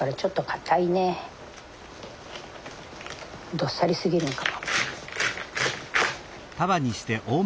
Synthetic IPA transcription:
aɾat͡ɕo̞t̪ːo̞kʰḁt̪ʰaine | d̪o̞sːaɾʲisɨɡʲiɾɯ̟̃ŋkamo | t̪aβaɲ̟iɕi̥t̪e̞ʔoː

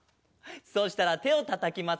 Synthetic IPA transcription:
so̞ːɕi̥t̪aɾat̪e̞o̞t̪at̪akʲima

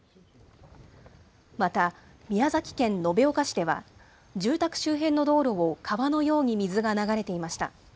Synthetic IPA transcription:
mat̪a | mʲiazakʲi̥kẽ̞nːo̞be̞o̞kaɕi̥d̪e̞βa̰ | d͡ʑɨːt̪akɯ̟̥ɕɨːɦẽ̞nːo̞d̪o̞ːɾo̞βokʰaβano̞jo̞ːɲ̟imʲizɨɡanaɡaɾe̞t̪e̞imaɕi̥t̪a̰

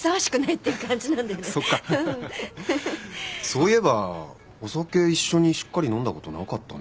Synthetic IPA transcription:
saβaɕi̥kɯ̟nait̪ːe̞jɯ̟kãɲ̟d͡ʑinãnd̪ajoneso̞kːaɯ̟̃ | so̞ːie̞ba | o̞sake̞iɕːo̞ɲ̟iɕi̥kːaɾʲinõ̞nd̪ako̞t̪o̞na̰kat̪ːa̰n

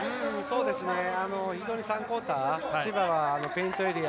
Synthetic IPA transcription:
ɯ̟̃ɴso̞ːd̪e̞sɨne̞ano̞çid͡ʑo̞ːɲ̟isãŋko̞ːt̪aɕibaβaːno̞pẽ̞ĩnt̪o̞eɾi

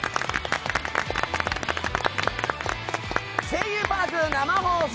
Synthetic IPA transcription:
sʰejɯːpakɯnamamos

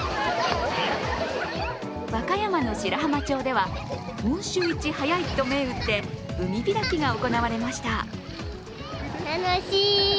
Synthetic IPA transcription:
βakajamano̞ɕiɾaɦamat͡ɕo̞ːd̪e̞β̞a | mɯ̟̃ɰ̃ɕɨːit͡ɕihajait̪ːo̞me̞ɯ̟t̪ːe̞̥ɯ̟mʲiɡʲiɾakʲiɡao̞ko̞naβ̞aɾe̞maɕi̥t̪a | t̪anoɕiː

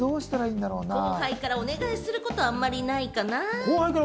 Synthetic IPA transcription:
o̞ːɕi̥t̪aɾaĩnd̪aɾo̞ːnaõŋhaikaɾao̞ne̞ɡaisɨɾɯ̟ko̞t̪o̞amːaɾʲinaikanakohaikaɾ

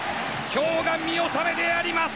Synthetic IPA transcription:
kʲoːɡamʲio̞same̞d̪e̞aɾʲimas

